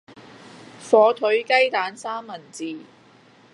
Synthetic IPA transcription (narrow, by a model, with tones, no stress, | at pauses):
fɔː˨˧t̪ʰɵ˨˥ɥkɐ˥jt̪aː˨˥nsaː˥mːɐ˨˩nt͡siː˨